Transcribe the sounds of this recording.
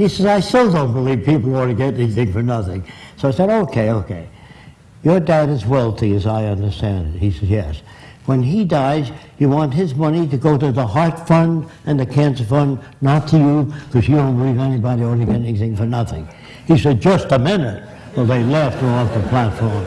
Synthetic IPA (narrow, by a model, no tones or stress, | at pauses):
hisɛzaɪstɪlˠdõʊ̃nb̥əliv̥pipl̩ˠɔɾɨɡɛɾɛniθɪ̃ŋfə˞nʌθɪ̰̃ŋsoʊaɪsɛɾoʊkʰeɪoʊkʰeɪ | jə˞daʊɾɨzwɛlˠtʰiɨzaɪʌ̃ndə˞stæ̃ndt̚hisɛdjɛs | wə̃nidaɪzjɨwɑ̃ntɦɪzmʌniɾɨɡoʊɾɨðəhɑɹtfʌ̃ndɨ̃nðɨkʰæ̃nsə˞fʌ̃n | nətʰɨjɨkʰʌzjɨdõʊ̃nbəlivɛnibɑɾiɔɹɾɨɡɛɾɛniθɪ̃ŋfə˞nʌθɪ̰̃ŋ | isɛd̚d͡ʒʌstəmɪ̃nɨt̚ | wəlˠðeɪlɛft̚ə̃mɔfðəpʰl̥ætfɔɹm